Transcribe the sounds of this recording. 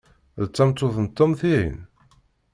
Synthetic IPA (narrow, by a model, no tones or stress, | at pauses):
ðət͡sːɑmt͡s̪ːoθənt̪ːomθiɾḭn